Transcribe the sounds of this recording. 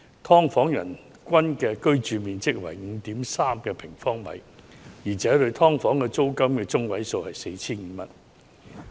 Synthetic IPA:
t̪ʰɔː˥ŋfɔː˨˥ŋjɐ̰˨˩n | kʷɐ˥nkɛː˧kɵ˥ɥt͡ʃyː˨˧miː˨nt͡sɪ˥k̚wɐ̰˨˩jŋ̩˨˧t̪iː˨˥msaː˥mkɛː˧pʰɪ˨˩ŋfɔː˥ŋmɐ̰˨jjiː˨˩t͡sɛː˨˥lɵ˧ɥt̪ʰɔː˥ŋfɔː˨˥ŋkɛː˧t͡so˥wkɐ˥mkɛː˧t͡sʊ˥ŋwɐ˨˥jso˧whɐ˨jse˧jt͡sʰiː˥nŋ̩ː˨˧mɐ̰˨˥t̚

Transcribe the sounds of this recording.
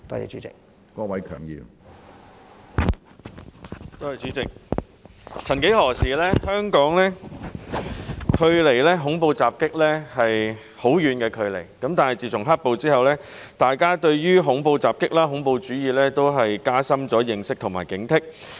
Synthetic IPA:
t̪ɔ̰ː˥jḭ˨˩t͡ʃy̰ː˨˦t͡sɪ̰˨k̚ | kɔː˧wɐ˨˦jkʰœ̰ː˨˩ŋjḭː˨˩m | t̪o˥whɐ˨jt͡ʃyː˨˥t͡sɪ˨k̚ | t͡sʰɐ˨˩nke˨˥jɦɔː˨˩siː˨˩lɛː˥hœː˥ŋkɔː˨˥ŋlɛː˥ | kʰɵ˧ɥle˨˩jlɛː˥ɦʊ˨˥ŋpo˧wt͡saː˨p̚kɪ˥k̚lɛː˥hɐ˨j | ho˨˥wjyː˨˧nkɛː˧kʰɵ˨˧ɥle˨˩jkɐ˨˥mt̪aː˨nhɐ˨jt͡siː˨p̚t͡sʰʊ˨˩ŋɦa˥t̚po˧wt͡siː˥hɐ˨wlɛː˥ | t̪aː˨jkaː˥t̪ɵ˧ɥjyː˥ɦʊ˨˥ŋpo˧wt͡saː˨p̚kɪ˥k̚laː˥ɦʊ˨˧˥ŋpo˧wt͡ʃyː˨˥jiː˨lɛː˥t̪o˥wɦɐ˨jkaː˥sɐ˥mt͡sɔː˨˥jɪ˨ŋsɪ˥k̚t̪ʰʊ˨˩maː˨˩jkɪ˨˥ŋt̪ʰɪ˥k̚

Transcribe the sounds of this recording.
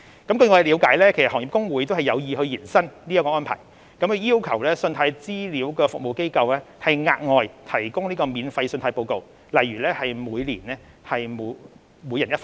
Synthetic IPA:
kɐ˨˥mkɵ˧ɥŋɔː˨˧˨liː˨˧wkaː˨˥jlɛː˥kʰe˨˩s̚ɔː˨˩ŋji˨pkʊ˥ŋwuː˨˥jt̪o˥whɐ˨jɐ˨˧wjiː˨hɵ˧ɥjiː˨˩nsɐ˥nniː˥ɐ˥kɔː˧ʔɔː˥npʰa̰˨˩j | kɐ˨˥mkʰɵ˧jiː˥wkʰɐ˨˩wlɛː˥sɵ˧nt̪ʰaː˧jt͡siː˥liː˨˥wkɛː˧fʊ˨k̚mo˨wke˥jkɐ˧wlɛː˥hɐ˨jŋaː˧t̚ŋɔː˨jt̪ʰɐ˨˩jkʊ˥ŋniː˥kɔː˧miː˨˧nfɐ˧jsɵ˧nt̪aː˧jpo˧wko˨w | lɐ˨˩jːyː˨˩lɛː˥hɐ˨jmuː˨˧jliː˨˩nɛː˥ | hɐ˨jm˨˧ | mu˨˧jːɐ˨˩njɐ˥tf

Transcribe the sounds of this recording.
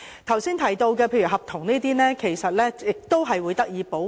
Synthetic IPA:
t̪ʰɐ˨˩wsiː˥nt̪ʰɐ˨˩jt̪o˧wkɛː˧pʰeː˧jɥyː˨˩ɦɐ˨p̚t̪ʰʊ˨˩ŋneː˥t̪iː˥nɛː˥kʰe˨˩jsɐ˨t̚lɛː˥jɪ˨k̚t̪o˥wɦɐ˨jwuː˨˧jt̪ɐ˥k̚jiː˨˧po˨˥

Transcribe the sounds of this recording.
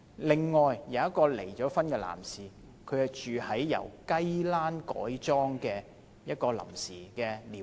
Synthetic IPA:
lɪ˨ŋːɔː˨jjɐ˨˦wɐ˥t̚kɔː˧lḛ˨˩jt͡ʃɔː˨˥fɐ˥nkɛː˧la̰ː˨˩msiː˨ | kʰɵ˨˧hɐ˨jt͡ʃyː˨hɐ˨˥jːɐ̰˨˩wkɐ˥jlaː˥nkɔ̰ː˨˥jt͡ʃɔː˥ŋkɛː˧ | jɐ˥t̚kɔː˧lɐ̰˨˩msiː˨˩kɛː˧liː˨˩

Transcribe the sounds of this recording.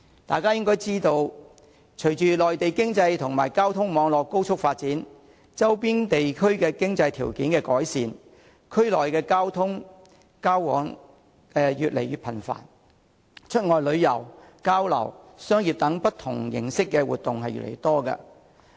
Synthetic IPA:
t̪aː˨jkaː˥jɪ˥ŋkɔː˥jt͡siː˥t̪o˧w | t͡ʃʰɵ˨˩ɥt͡ʃyː˨lɔː˨jt̪e˨jkɪ˥ŋt͡sɐ˧jt̪ʰʊ˨˩ŋmaː˨˩jkaː˥wt̪ʰʊ˥ŋmɔː˨˧ŋlɔː˨kːo˥wt͡ʃʰʊ˥k̚faː˧t̚t͡siː˨˥n | t͡sɐ˥wpiː˥nt̪e˨jkʰɵ˥ɥkɛː˧kɪ˥ŋt͡sɐ˧jt̪ʰiː˨˩wkiː˨˥nkɛː˧kɔː˨˥jsiː˨n | kʰɵ˥ɥlɔː˨˩jkɛː˧kaː˥wt̪ʰʊ˥ŋ | kaː˥wwɔ̰ː˨˥ŋ | kɛ˨˧jyː˨t̚le˨˩jyː˨t̚pʰɐ˨˩nfa̰ː˨˩n | t͡ʃʰɵ˥t̚ŋɔː˨˧jlɵ˨˧ɥjɐ̰˨˩wkaː˥wlɐ̰˨˩w | sœː˥ŋjiː˨p̚t̪ɐ˨˥ŋpɐ˥t̪ʰʊ̰˨˩ŋjɪ̰˨˩ŋsɪ˥kːɛ˧wuː˨t̪̚ʊ˨ŋɦɐ˨jɥy̰˨˩lḛ˨˩t̪ɔː˥kɐ̰˧

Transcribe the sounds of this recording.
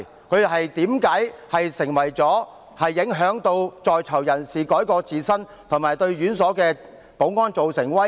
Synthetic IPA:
kʰɵ˨˧ɥjɦɐ˨jt̪iː˨˥mkaː˨˥jhɐ˨jsɪ˨˩ŋwɐ˨˩jt͡sɔː˨˥ | hɐ˨jːɪ˨˥ŋɦœː˨˥ŋt̪o˧wt͡sɔː˨jt͡sʰɐ˨˩wjɐ˨˩nsiː˨kɔː˨˥jkɔː˧t͡siː˨sɐ˥n | t̪ʰʊ˨˩maː˨˩jt̪ɵ˧ɥɥyː˨˥nsɔː˨˥kɛː˧ | po˨˥wŋɔː˥nt͡so˨wsɪ˨˩ŋwɐ˥

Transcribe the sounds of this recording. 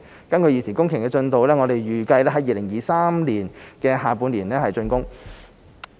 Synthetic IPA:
kɐ˥nkʰɵ˧jiː˨˩sʰiː˨˩nkʊ˥ŋkʰɪ˨˩ŋkɛː˧t͡ʃɵ˧nt̪o˨˧wlɛː˥ŋɔː˨˧t̪e˨jɥyː˨˩kɐ˧jlɛː˥ɦɐ˨˥jiː˨˧lɪ˨˩ŋjiː˨˧saː˥mliː˨˩nkɛː˧ɦaː˨˩pu˨˧nliː˨˩nɛː˥hɐ˨jt͡sɵ˧nkʊ˥ŋ

